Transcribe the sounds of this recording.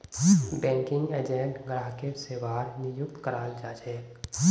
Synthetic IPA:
bɛ̃ːŋkɪ̃ŋɡeːd͡ʒẽɳʈɡɾaːɦkeseːʋaːɾnɪjʊk̚t̪kəɾaːld͡ʒaːd͡ʒɛː

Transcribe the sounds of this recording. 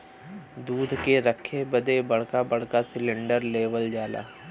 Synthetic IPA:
d̪uːd̪ʱkeɾəkʰːebəd̪ebɐɽ̤kabɐɽ̤kasɪlɪ̃ɳɖəɾleːʋəld͡ʒaːla̰ː

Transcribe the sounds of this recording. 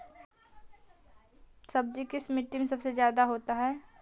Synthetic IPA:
sɐb̚d͡ʒikɪsmɪʈːɪŋsɐbsezjaːd̪aɦoːt̪aɦɛː

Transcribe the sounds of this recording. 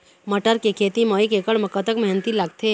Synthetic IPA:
məʈəɾkekʰeːt̪imoːikekəɽmɐkət̪əkmɐɦnt̪ilaɡ̚t̪ʰe

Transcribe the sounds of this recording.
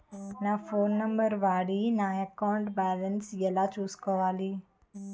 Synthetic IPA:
nafoːnːə̃mbəɾʋaːɽinãəkawɳʈbɛːlənsjəlat͡ʃuːskɔʋaːliː

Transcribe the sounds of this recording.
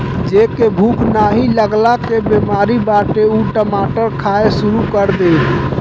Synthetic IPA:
d͡ʒekebʱukʰnaɦiləɡlakebemaɾibaʈeuʈəmaʈəɾkʰaesuɾukəɾd̪en

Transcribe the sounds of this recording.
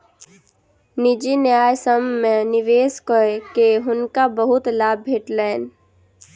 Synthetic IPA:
nɪd͡ʒinjaːjsəmːẽnɪʋeːskɔekeɦʊnkabəɦʊt̪laːbːʱeːʈlɛːɪn

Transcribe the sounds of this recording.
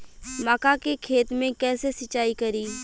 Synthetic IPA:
maːkakekʰeːt̪mẽkɛːsesət͡ʃːaːikɐɾiː

